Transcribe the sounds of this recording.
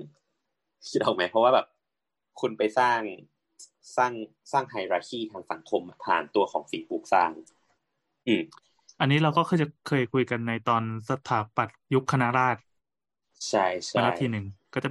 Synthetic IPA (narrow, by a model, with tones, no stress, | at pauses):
kʰi˦˥t̪̚ɔː˨˩ma˦˥jpʰɾɔ˦˥waː˥˩bɛː˨˩p̚ | kʰu˧npa˧jsaː˥˩ŋ˨˩ | saː˥˩ŋ | saː˥˩ŋɦa˨˧˩jɾaː˧kʰiː˥˩t̪ʰaː˧ŋsa˩˦ŋkʰo˧m˨˩pʰa̰ː˨˩nt̪u˧ɐxʰɔː˩˦ŋsi˨˩˦puː˨˩k̚saː˥˩ŋ | ʔɯː˧˩m | ʔa˧nːiː˦˥ɾa˧wkɔː˥˩kʰɤː˧jt͡ɕa˨˩kʰɤː˧jkʰu˧jka˧nːa˧jt̪ɔː˧nsa˧t̪ʰaː˩˦pa˨˩t̪̚ju˦˥kʰːa˧na˦˥ɾaː˥˩t̪̚ | t͡ɕʰa˥˩jt͡ɕʰa˧˥˧a˦˥˩t̪ʰiː˧nɯ˨˩ŋkɔː˥˩t͡ɕa˨˩